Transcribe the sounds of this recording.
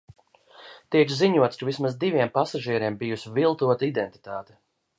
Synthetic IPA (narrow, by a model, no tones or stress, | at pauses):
t̪iɛkziɲuɔt̪skavismazd̪ivʲiɛmpasaʒiɛɾiɛmbijusvilˠt̪uɔt̪aid̪ɛnt̪i̥t̪aːt̪ɛ̥